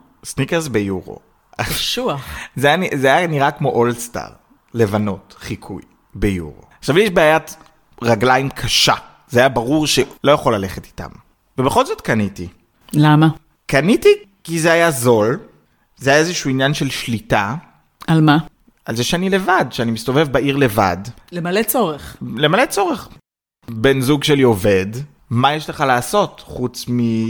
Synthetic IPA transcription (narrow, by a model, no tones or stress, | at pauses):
snikesbejuʁo̰ | aʃuaχzeanizeajaniʁakmo̞ʔolsta̰ʁ | le̞vano̞tχikʰṵj | bejṵʁo̰aχʃavijeʃbeaːjat | ʁaɡlajimkʰaʃa | zeajabaʁuʁʃelo̞jaχo̞lːale̞χeti̥ta̰m | vebeχo̞lzo̞tkaniti | lama | kanitikizeajazo̞l | zeajaezeʃuinjanʃe̞lʃlita | alma | alzeʃeanile̞vadʃeanimist̪o̞vevbaʔiʁle̞va̰dlemalet͡soʁeχlemale̞t͡so̞ʁeχ | be̞nzuɡʃelio̞ve̞d | majeʃleχalaːso̞tχut͡smi